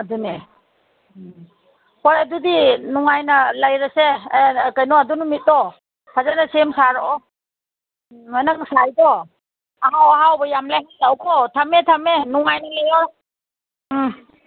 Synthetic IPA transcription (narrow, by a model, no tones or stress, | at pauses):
adune | pɔjadudinɔŋajnɐlajɾasekajnɔadunumit̚dɔ | kʰazanasemsaɾɔɔ | ajnaŋ̚sajdɔ | aɦawaɦawbɐjamlajɦalawkʰɔtʰametʰamenɔŋajnɐlajɔɾ